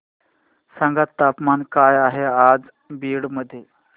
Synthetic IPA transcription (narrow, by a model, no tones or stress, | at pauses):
saŋɡat̪ːapmankajaɦead͡z | biːɽməd̪ʱːje